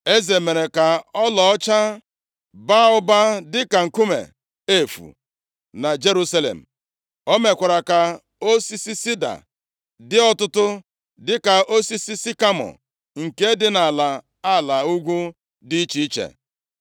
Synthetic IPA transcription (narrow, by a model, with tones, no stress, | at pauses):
e˦ze˨me˨ɾe˨ka˨ɔ˦lɔ˨ɔ˦t͡ʃa˦ | ba˦ʊ˦ba˦dɪ˦ka˨ŋ̩˨ku˦mḛ˨ | e˦fṵ˨ | na˨d͡ʒe˦ɾu˦sa˦lḛ˨m̩˨ | o˦me˨kʷa˨ɾa˨ka˨ | o˦si˦si˦si˦da̰˨ | dɪ˦ɔ˦tʊ˦tʊ˦ | dɪ˦ka˨o˦si˦si˦si˦ka˦mɔ̰˨ | ŋ̩˨ke˦dɪ˦na˨la˨ | a˦˨la˨u˦ɡʷu˦ | di˦i˦t͡ʃi˦i˦t͡ʃḛ˨